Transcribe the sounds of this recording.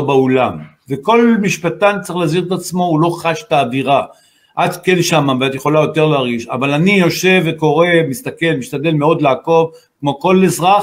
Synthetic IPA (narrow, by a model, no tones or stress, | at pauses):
obaolam | veko̞lmiʃpatant͡seχlaaziʁt̪at͡smo̞ulo̞χaʃt̪aːdiʁa | ʔat̪kenʃamaveat̪jeχo̞lajo̞te̞ʁleaʁɡiʃa̰valanijo̞ʃe̞veko̞ʁe̞mist̪ake̞lmiʃt̪ade̞lmeo̞d̪laːko̞v | kmo̞ko̞lezʁaχ